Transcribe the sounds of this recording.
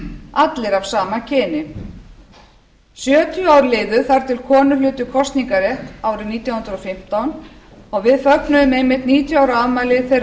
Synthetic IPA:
at̪lɪɾavsaːmacʰɪːnɪ | sjœːt̪ʰjʏawɾlɪːðʏθaɾ̥t̪ʰɪlkʰɔːnʏlʏːt̪ʏkʰɔst̪niŋkaɾɛhtaːwɾɪniːt̪jawhʏnd̪ɾɔfɪm̥t̪awn | ɔɣvɪðfœknʏðʏmejmɪt̪niːt̪ʰjaːwɾavmaːjlɪθejr

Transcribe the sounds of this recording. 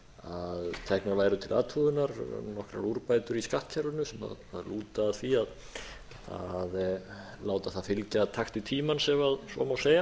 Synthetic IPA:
aðt̪ʰɛhknaɾvaːjɾʏt̪ʰɪlʔa̰ːt̪ʰfuðʏnaɾnɔhkɾa̰ɾuɾpajt̪ʏɾiskaht̪cʰaɾvʏnʏsɛma̰ðaðluːt̪aːðθviað | a̰ð | laːwt̪aθaðfɪlcat̪ʰaxt̪ɪt̪ʰiːmansɛmaðsɔ̰ːmawseːja

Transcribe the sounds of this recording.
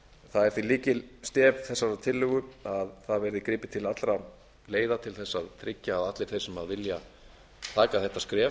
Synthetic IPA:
θaðɛɾ̥θviliːcɪst̪ɛːvθɛsːaɾaðt̪ʰɪlːʏɣʏaðθaðvɛɾðɪkɾiːpɪt̪ʰɪlat̪lɾa | leːjðat̪ʰɪlθɛsːaðt̪ʰɾɪcːaːðat̪lɪɾ̥θejsɛmaðvɪlja | t̪ʰaːkaθɛht̪ːaskɾɛː

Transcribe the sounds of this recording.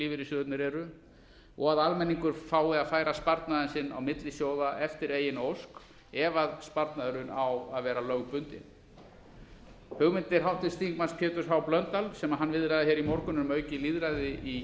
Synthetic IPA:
liːvɪɾɪsʏt̪nɪɾɛɾʏ | ɔɣaðalmɛnːiŋkʏɾ̥faːwɪaðfaːjɾaspaɾt̪naðansɪnːa̰wmɪt̪lɪsjoːwðaʔɛft̪ɪɾeːjɪnowsk | ɛvaðspaɾt̪naðʏɾʏnawaðvɛːɾalœɣpʏnt̪ɪ̰n | hʏɣmɪnt̪ɪɾ̥ɦawht̪ɪ̥st̪iŋkmanspʰjɛːt̪ʏɾ̥ɦawplœnt̪alsɛmaðɦanːvɪðɾajðaçɛɾimɔɾkʏnʏmœːɥcɪliðɾajðɪi

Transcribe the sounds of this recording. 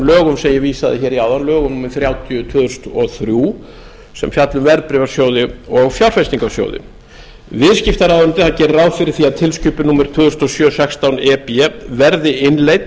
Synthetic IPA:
lœːɣʏmsɛmjɛɣviːsaðɪçɛːɾiaːwðanlœːɣʏmnuːmɪɾθɾjawt̪ʰjʏt̪ʰvœːðʏst̪ɔθɾjuː | sɛ̰mfjat̪lʏmvɛɾpɾɪvaɾsjoːwðɪɔɣfjawɾ̥fest̪iŋkḁsjo̰ːwðɪ̰ | vɪðscɪft̪aɾaːðʏnt̪ɪθacɛːɾɾaːwfɪɾɪɾ̥θiaðt̪ʰɪlscʏːpɪnumɪɾ̥t̪ʰvœːðʏɾst̪ɔsjœːsɛkst̪awnɛːpiɛvɛɾðɪɪnlejt̪

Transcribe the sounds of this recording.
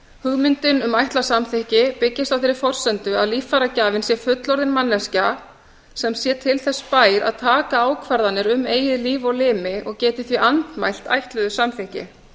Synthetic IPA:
hʏɣmɪnt̪ɪnʏmajht̪lasamθɪhcɪpɪcːɪst̪awfθɪɾɪɾ̥fɔr̥sɛnt̪ʏaðliːfaɾacaːvɪnsjɛfʏt̪lɔɾðɪnmanlːɛsca | sɛmsjɛːt̪ʰɪlθɛsːpaːjɾʔa̰ðt̪ʰaːkaaːwkʰvaɾðanːɪɾʏmeːjɪðliːvɔɣlɪːmɪʔɔɣcɛːt̪ɪθviʔant̪majl̥t̪a̰jht̪lœðʏsamθɪhcɪ̰

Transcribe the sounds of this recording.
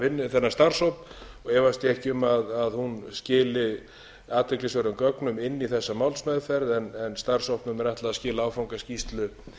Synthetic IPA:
vɪnːɪθɛnːast̪ar̥sowpnɔɣɛːvast̪jɪɛhcɪʏmaðaðhunscɪːlɪ | aːt̪vɛklɪsvœɾʏmkœknʏmɪnːiθɛsːamawlsmɛðfɛɾðɛnɛnst̪ar̥sowhpnʏmɛɾaht̪laaðscɪːlaawfawŋkascist̪lʏ

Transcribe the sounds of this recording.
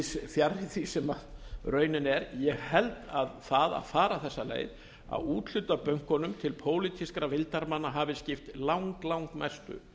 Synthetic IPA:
sfjaɾːɪθisɛmaðrœːɥnɪnɛɾjɛɣhɛlt̪aðθaða̰ðfaːɾaθɛsːalḛːjð | a̰uːt̪lʏt̪apœŋ̥kɔnʏmt̪ʰɪlpʰoːwlit̪ʰiskɾavɪlt̪aɾmanːaɦaːvɪscɪft̪lawŋklawŋkmɛst̪ʏ̰

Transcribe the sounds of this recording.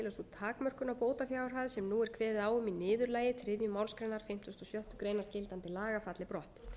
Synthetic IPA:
ɪlasɔt̪ʰaːkmœr̥kʏnawpoːwt̪afjaːwɾ̥ɦaðsɛmnuːɛɾ̥kʰvɛːðɪðaːwʏminɪːðʏɾlaːjɪt̪ʰɾɪðjʏmaːwnskɾejnaɾ̥fɪm̥t̪ʰʏst̪ɔsjœht̪ʏkɾejnaɾ̥cɪlt̪ant̪ɪlaːɣafat̪lɪpɾɔht̪

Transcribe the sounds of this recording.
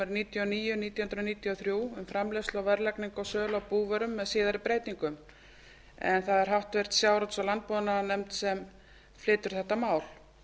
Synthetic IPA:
ɛɾniːt̪jɔniːjʏniːt̪jahʏnɾaniːt̪jiɔθɾjuːʏmfɾamleslawvɛɾlɛkniŋkɔsœːlawpuːvœɾʏmːɛðsiːðaɾɪpɾeːjt̪iŋkʏm | ɛ̰nθaðɛɾ̥ɦawht̪vɛr̥t̪sjaːwɾɔt̪salant̪̚pɔːðnanɛmt̪sɛm | flɪːt̪ʏɾ̥θɛht̪ːamaːwl̥

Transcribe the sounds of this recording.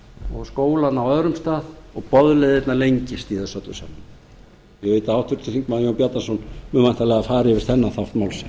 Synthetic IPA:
ɔɣskoːwlanawœðɾʏmst̪aːðɔɣpɔðlɛðɪt̪nalejɲcɪst̪iθɛsœt̪lʏ̰sa̰mːa | jɛɣveːjt̪aawht̪ʰʏɾt̪ʰɪθiŋkmaðjoːwapjat̪ansɔnmʏmajn̥t̪alɛːɣafaːɾɪvɪst̪θɛnːaθawft̪mawlsɛ

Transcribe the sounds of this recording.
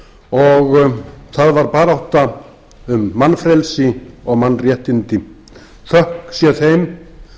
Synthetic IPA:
ɔɣθaðvaɾpaːɾawht̪a | ʏmːanːfɾɛlsɪɔɣmanːrjɛht̪ɪnt̪ɪ | θœhksjɛθejm

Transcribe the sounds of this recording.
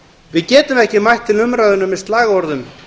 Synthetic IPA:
vɪðcɛːt̪ʏmɛhcɪmajht̪ʰːɪlʏmɾaðʏnʏmɛðst̪laːɣaɔɾðʏm

